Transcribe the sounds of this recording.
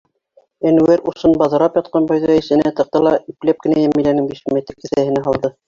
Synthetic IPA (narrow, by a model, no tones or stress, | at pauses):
enueɾusɤnbɑðɤ̆ɾɑpjɑt̪̚qɑnbɑjðɑĭsɘ̆næt̪ɤ̆q̚t̪ɤlˠɑiplæp̚kɘ̆næjæmĭlænɘŋbiʃmet̪ɘɾkɘ̆θæhɘ̆næɦɑlˠd̪ɤ